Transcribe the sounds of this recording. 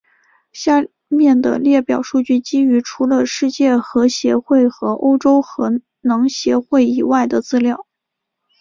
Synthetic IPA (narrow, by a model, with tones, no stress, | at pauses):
ɕja˥˧ | mjɛ˥˩nd̪ə̰˩ljɛ˥˩pjɑ˨˩ʊʂu˥˧t͡ɕy˥˩t͡ɕi˥y˧˥ʈ͡ʂʰu˧˥lə˧ʂɻ̩˥˧t͡ɕjɛ˥˩xɤ˧˥ɕjɛ˧˥xwe˥˩ɪxɤ˧˥ʔo̰˥ʊʈ͡ʂo˥ʊxɤ˧˥ | nɑ˧˥ŋɕjɛ˧˥xwe˥˩ɪi˨˩wa˥˩ɪd̪ə˩t͡sɹ̩˥˧ljɑ˥˩ʊ